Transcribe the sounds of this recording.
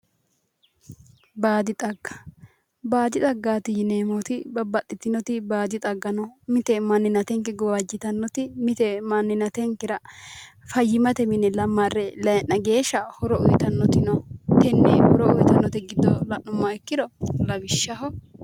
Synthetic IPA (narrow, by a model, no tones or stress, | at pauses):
baːd̪ɪt̪ʼɐɡːɐ̥ | baːd̪ɪt̪ʼɐɡːaːt̪ɪjɪneːmot̪ɪbɐbɐt̪ʼːɪt̪ːɪnɔt̪ɪbaːd̪ɪt̪ʼɐɡːɐnɔmɪt̪ɛmɐnːɪnɐt̪ɛŋkɪɡɔbɐd͡ʒːɪt̪ɐnːɔt̪ɪmɪt̪ɛmɐnːɪnɐt̪ɛŋkɪɾɐfɐjːɪmɐt̪ɛmɪnɛlɐmːɐrːɛlɐjnːɐɡe̞ːʃɐhɔɾɔɔjɪt̪ɐnːɔt̪ɪnɔt̪ɛnːɛ̰hɔɾɔɔjt̪ɐnːɔt̪ɛɡɪd̪ːɔlɐʔʊmːɐɛkːɪd̪ɔlɐbɪʃːɐɦɔ